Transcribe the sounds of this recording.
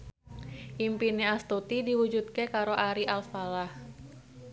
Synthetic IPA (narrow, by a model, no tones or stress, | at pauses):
ʔimpineast̪ot̪idiwud͡ʒud̪̚kekaɾoʔaɾiʔalsfalah